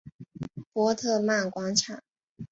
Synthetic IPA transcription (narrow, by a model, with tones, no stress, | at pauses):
pwɔ˥t̪ʰɤ˥˧ma˥˩nkwɑ˥ŋʈ͡ʂʰa˨˩˦ŋ